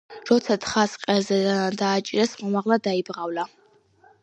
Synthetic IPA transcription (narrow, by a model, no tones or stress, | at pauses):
ɾɔt̪sʰat̪ʰχasqʼɛzɛd̪aːt͡ʃʼiɾɛsmɔmaʁlˠad̪aibʁavla